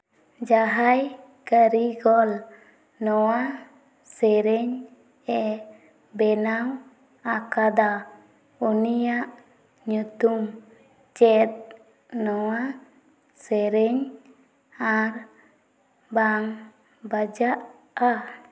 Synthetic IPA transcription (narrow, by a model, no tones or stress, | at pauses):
d͡ʒaɦaj | kəɾiɡɔl | nɔwa | sɛɾɛɲ | ɛ | bɛnaw | akad̪a | unijaʔ | ɲut̪um | t͡ʃɛt̪̚ | nɔwa | sɛɾɛɲ | aɾ | baŋ | bad͡ʒaʔ | a